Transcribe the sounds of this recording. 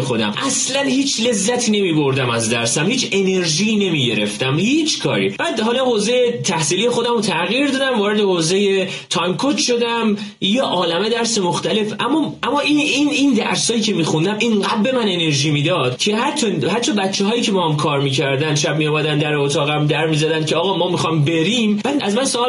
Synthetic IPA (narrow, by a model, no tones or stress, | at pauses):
exo̞d̪æ̰mʔæslænhiːt͡ʃʰle̞zːæt̪ʰiːne̞miːboɾd̪æmæzd̪æɾsæmhiːt͡ʃe̞ne̞ɾʒiːne̞miːɟe̞ɾe̞̰ft̪æmhiːt͡ʃʰkʰɒ̰ːɾḭmænd̪hɒːlɒhoːzejet̪ʰæhsiːlijexo̞d̪æmot̪ʰæɣiɾd̪ɒd̪æmvɒːɾed̪ehoːze̞je̞ | t̪ʰɒjmkʰot̪ʃo̞d̪æm | jeʔɒːlæmed̪æɾse̞moxt̪æle̞fæmːɒæmːɒːiinind̪æ̰ɾshɒːjiːcʰe̞miːxund̪æmʔiɴɡæbbe̞mæne̞ne̞ɾʒiːmiːd̪ɒːd̪̥cʰe̞ɦæɾt̪ʰːohæt̪ːt͡ʃʰːɒbæt̪t͡ʃʰːeɦɒːjiːcʰe̞bɒːhæmkʰɒːɾmiːcʰæɾd̪ænd̪ʃæb̚mijɒmæd̪ænd̪æɾeot̪ʰɒːɣæmd̪æɾmiːzæd̪æn̚cʰeɒːɣɒːmɒːmixɒjmbe̞ɾiːmbææzmænsoɒː